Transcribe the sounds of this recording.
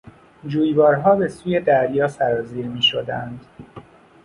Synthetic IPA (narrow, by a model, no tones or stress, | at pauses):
d͡ʒuːjvɒːɾɦɒːbe̞suːje̞d̪æɾjɒːsæɾɒːziːɾmiːʃod̪ænd̪